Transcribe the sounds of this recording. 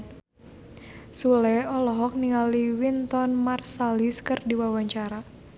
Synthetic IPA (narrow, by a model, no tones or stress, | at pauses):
sulɛɔlɔɦɔk̚niŋaliwint̪ɔnmarsaliskɨrdiwawaɲt͡ʃaɾa